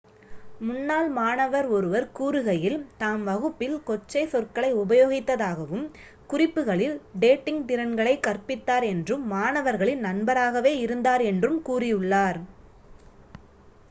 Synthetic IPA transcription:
mʊnːaːlmaːnɐʋɐɾɔɾɯʋɐɾkuːɾɯɣɐjɪlt̪aːmʋɐɣɯpːɪlkɔt͡ʃːɐɪsɔrkɐɭɐɪʊbɐjoːɣɪt̪ːɐðaːɣɐʋɯm | kʊrɪpːɯɣɐɭɪlɖeːʈːɪŋɡt̪ɪɾɐnɡɐɭɐɪkɐrpɪt̪ːaːɾɛndrɯːaːɳɐʋɐɾɣɐɭɪnnɐnbɐɾaːɣɐʋeːɪɾɯnd̪aːɾɛndrɯmkuːrɪjɯɭːaːɾ

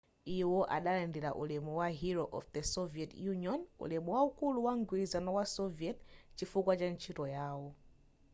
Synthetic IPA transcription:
ijɔwɔʔa̰ɗalandiɾaʔṵlɛmuwaɦiɾɔʔɔ̰fdɛsɔviɛtjuniɔnṵlɛmuwaukuluwaŋɡwizanɔwasɔviɛt̚t͡ʃifukwad͡ʒaɲt͡ʃiɾɔjaːwɔ

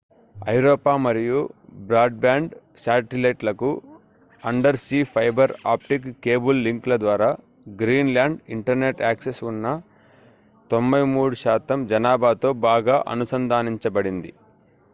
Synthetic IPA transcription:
ɐjuɾɔːpaːmɐɾijubɾaːɖ̚baːɳɖsaːʈilɐjʈlɐku | ɐɳɖɐɾsiːpʰɐjbɐɾa̰ːp̚ʈikkːe̞ːbulːiŋklɐd̪ʋaːɾaːɡɾiːnlaːɳɖiɳʈɐɾne̞ʈaːksesunːɐ | t̪o̞mbɐjmuːɽuʃaːt̪ɐmd͡ʒɐnaːbʱaːt̪o̞ːbaːɡaːʔɐ̰nusɐnd̪ʱaːniɲt͡ʃɐbɐɽind̪ḭ

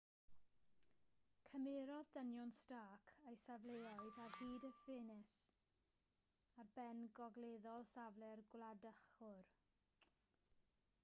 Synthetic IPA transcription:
kʰəmɪɾɔðdənjɔnstaːkʰejsavlˠejaɨðarb̥iːdəfɪnɪs | arbɛnɡɔɡlˠeːðɔlˠsavlˠɛrɡwlˠadəχʊr

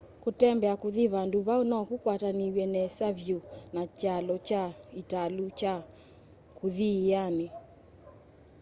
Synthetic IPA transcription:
kutɛmbɛakuðiβanduβaunakukwataniwɛnɛsaβjunat͡ʃalɔt͡ʃaitalut͡ʃa | kuðijani

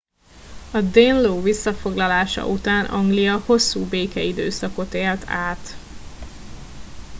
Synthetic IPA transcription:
ɒd̪enloːvisːɒfo̞ɡlɒlaːʃɒ̰ʔut̪aːnʔɒŋɡlijɒho̞sːuːbeːkɛid̪øːsɒko̞t̪eːrt̪ʰaːt̪

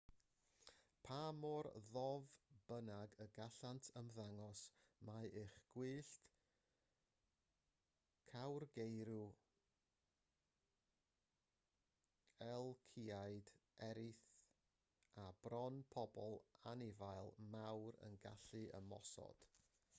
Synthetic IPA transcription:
pʰamɔrðɔvb̥ənaɡəɡaɬantʰəmðaŋɔsmaɨχɡ̥wɨːɬt | kʰawrɡejɾu | ɛlˠkʰiajdɛɾɪθ | ab̥rɔnpʰɔbɔlˠanɪvajlˠmawɾə̰nɡa̰ɬɨʔə̰mɔ̰sɔ̰d̥

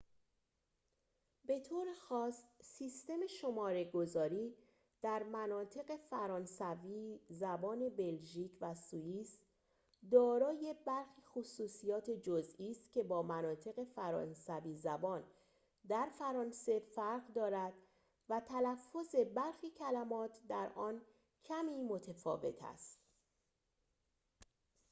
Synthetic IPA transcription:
be̞t̪ʰoːɾexɒːsːiːst̪e̞meʃo̞mɒːɾe̞ɡo̞zɒːɾiː | d̪̥æɾmænɒːt̪ʰe̞ɣe̞fæɾɒːnsæviːzæbɒːne̞be̞lʒiːcʰvæsuiːs | d̪ɒːɾɒːje̞bæɾxiːxosuːsijɒːt̪ʰe̞d͡ʒozʔiːst̪cʲʰe̞bɒːmænɒːt̪ʰe̞ɣe̞fæɾɒ̰ːnsæviːzæbɒːn | d̪æɾfæɾɒːnse̞fæɾɢd̪ɒːɾæd̪ | væt̪ʰælæfːo̞ze̞bæɾxiːcʰælæmɒːt̪ʰd̪æɾʔɒːn | cʰæmiːmo̞t̪ʰefɒ̰ːve̞̰t̪ʰæ̰st̪

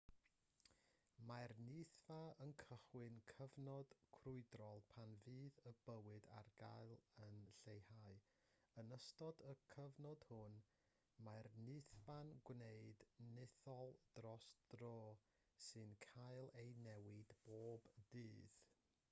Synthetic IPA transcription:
majrnɪθvaənkʰəχwɨnkʰəvnɔd̥kʰrʊɨdrɔlˠpʰanvɨːðəbəwɨda̰rɡajlˠənɬejhaɨ | ənəstɔdəkʰəvnɔd̥hʊn | majrnɨθvanɡwneɨdnɪθɔlˠd̥rɔsd̥rɔː | sɨnkʰajlˠejnɛwɪdb̥oːbdɨːð̥

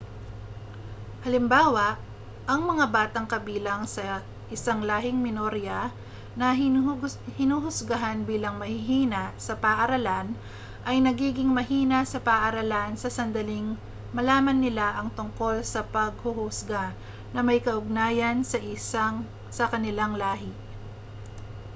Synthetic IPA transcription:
hɐlɪmbaːwɐʔ | ʔɐŋmɐŋabaːt̪ɐŋkɐbiːlɐŋsɐ | ʔɪsaŋlaːɦɪŋmɪnoɾjɐ | nɐ | hɪnuhʊsɡaɦanbiːlɐŋmɐhɪɦiːnɐʔsɐpɐːʔɐɾɐlan | ʔɐjnɐɡiːɡɪŋmɐhiːnɐsɐpɐʔɐɾɐlansɐsɐnd̪ɐlɪŋ | mɐlaːmɐnːɪlaʔɐŋt̪ʊŋko̞lsɐpɐɡ̚hʊhʊsɡa | nɐmɐjkɐʔʊɡ̚naːjɐnsɐʔɪaŋ | sɐkɐnɪlaŋlaːɦɪ

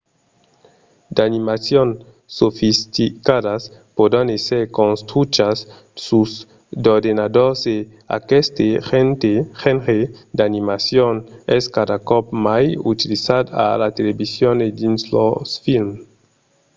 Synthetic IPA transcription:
d̪animasjon | sofist̪ikadaspod̪aneseɾkonst̪ɾut͡ʃas | sus | d̪oɾd̪enad̪oɾsde | a̰kest̪eent̪ehenɾed̪animasjonɛskad̪akɔpmajut̪ilisad̪a̰lat̪elebisjoned̪inslosfilm

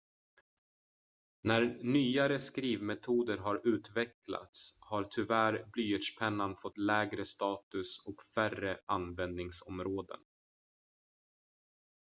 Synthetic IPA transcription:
næɾnyːaɾəskɾiːvmɛt̪ʰuːd̪əɾɦaɾʉ̟ːt̪vɛkla̰t̪shaɾt̪ʰʏvæɾblyːətʂpʰɛnːanfɔt̪ːlɛːɡɾəst̪ɑːt̪ɵsɔkfærəʔanvɛnd̪nɪŋsɔmɾoːd̪ə̰n

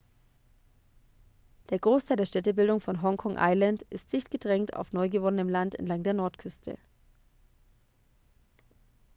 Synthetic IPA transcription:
d̥eːɐɡʁoːstʰaɪldeːɐʃtɛtəbɪldʊŋfɔnɦɔŋkʰɔŋʔa̰ɪlantʔɪst̚d̥ɪçtɡ̥ədʁɛŋta̰ʊfnɔʏɡəvɔnənəmlantɛ̰ntlaŋdeːɐnɔɐtkʰʏstʰə̰

